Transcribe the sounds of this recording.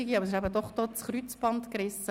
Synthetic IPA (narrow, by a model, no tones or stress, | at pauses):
ɪɡiɑbəsɪʃæbəd̪ɔχd̪̥oːt͡sχɾyt͡sb̥ɑnt̪kɾɪsə